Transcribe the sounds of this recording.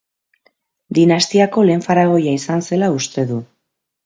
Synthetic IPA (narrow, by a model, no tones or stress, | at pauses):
d̪inast̪iako̞le̞ːɱfaɾaɣ̞o̞jaisanse̞laust̪e̞ðu